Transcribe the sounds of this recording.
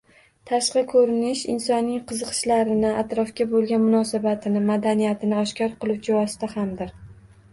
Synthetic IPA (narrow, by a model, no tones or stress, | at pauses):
t̪ʰaʃqɨkʰɵɾɪnɪʃɪ̰nsɒnːɪŋqʰɨzɨqʰɨ̥ʃlaɾɪnɪat̪ɾɒfkʲabolˠɡʲanmʊnɒsabat̪ʰɪnɪmad̪anijat̪ʰɪnɪɒʃkʲɒɾqʰɨlˠuwd͡ʒʰɪvɒsɪ̥t̪ahamd̪ɪɾ